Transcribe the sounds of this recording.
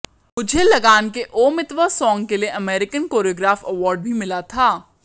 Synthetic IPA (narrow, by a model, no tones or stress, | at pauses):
mʊd͡ʒʱelɐɡaːnkeʔoːmɪt̪ʋəsɔ̃ːŋɡkelieʔɐmeːɾɪkənkoːɾijoːɡɾaːfɐʋɔːɾɖ̚bʱimɪlat̪ʰaː